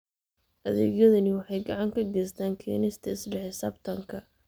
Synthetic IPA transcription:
ʔɐðɛ̰ːɡjɐðɐnɪwɑħɑjɡɐʕɑŋkʰɐɡɛjst̪ʰaːŋkʰɛ̰ːnɪst̪ʰɐɪslɛħɪsa̰ːbt̪ʰɐŋkʰɐ

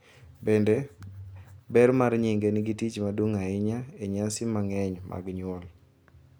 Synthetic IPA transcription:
bɛndɛ | bɛrmaɾɲiŋɡenɪɡitit͡ʃmaduŋaɪɲaeɲasɪmaŋɛɲma̰ɡɲʊɔl

